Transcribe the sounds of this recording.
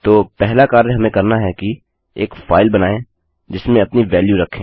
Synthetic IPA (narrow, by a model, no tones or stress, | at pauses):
t̪oːpɛɦlakaːɾəɦɐmẽkɐɾnaɦɛki | eːkfaːɪlbɐnaːẽ | d͡ʒɪsmẽɐpniʋɛːljuɾɐkʰːẽː